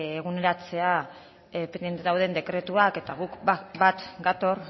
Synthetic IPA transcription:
eɣ̞une̞ɾat͡se̞a | pend̪je̞nt̪enawðe̞nd̪e̞kɾe̞t̪uake̞t̪aɣ̞ukbat̪ɡat̪o̞ɾ

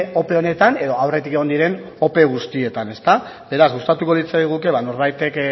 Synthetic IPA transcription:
o̞pe̞o̞ne̞t̪ane̞ðo̞awre̞t̪ike̞ɣnd̪iɾe̞n | o̞pe̞ɣ̞ust̪ie̞t̪ane̞st̪a | be̞ɾazɣust̪at̪uko̞lit͡sajɣ̞uke̞βano̞ɾβajt̪e̞k

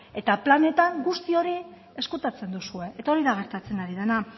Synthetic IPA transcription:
e̞t̪aplane̞t̪aŋɡust̪io̞ɾi | e̞skut̪at͡se̞nd̪usue̞ʔet̪ao̞ɾiðaɣ̞e̞ɾt̪at͡se̞naɾiðena

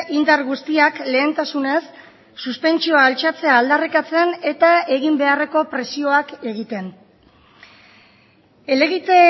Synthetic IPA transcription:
ind̪aɾɣust̪iakle̞ːnt̪asune̞sː | uspe̞nt͡ʃio̞aːlt͡ʃat͡se̞aːld̪arikat͡se̞ne̞t̪ae̞ɣimbe̞are̞ko̞pɾe̞sio̞ake̞ɣit̪e̞n | e̞le̞ɣit̪e

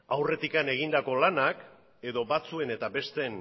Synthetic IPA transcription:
awre̞t̪ikane̞ɣ̞ind̪ako̞lanak | e̞ðo̞bat͡sue̞ne̞t̪abe̞st̪e̞n

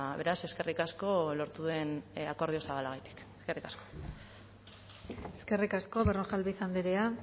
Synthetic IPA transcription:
βe̞ɾase̞ske̞rikasko̞lo̞ɾt̪uðue̞nako̞ɾð̞io̞saβalaɣet̪i̥k | eske̞rikasko̥ | eske̞rikasko̞βeroʝalβisand̪eɾea

